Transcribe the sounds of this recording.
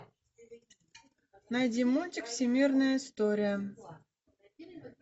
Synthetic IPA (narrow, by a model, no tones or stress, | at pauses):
najdʲimːutʲɪkfsʲɪmʲirnəjəɪst̪oɾʲɪjə